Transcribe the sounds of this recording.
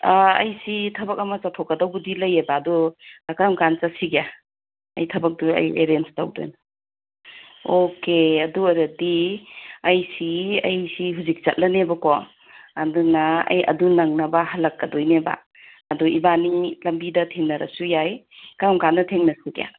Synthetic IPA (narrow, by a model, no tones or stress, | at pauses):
aɐ̰jsitʰɐbɐkɐmɐt͡ʃatʰokːɐdɐwbudilɐjebaːdɔakɐɾamkant͡ʃasiɡeja | ɐ̰jtʰɐbɐk̚duɐ̰jḛɾenstawdo̰jnɐ | okeɐduɐɾɐdi | ɐjsiɐjsiɦuzik̚t͡ʃɐ̰t̚lɐnebɐkɔ | adunɐɐ̰jɐ̰dunɐŋnɐbɐhɐlɐkːɐdojneba̰ː | dɔibanilɐmbidɐtʰeŋnɐɾʔɐ̰sujaj | kaɾɐmkanːɐtʰeŋnɐsuɡḛja̰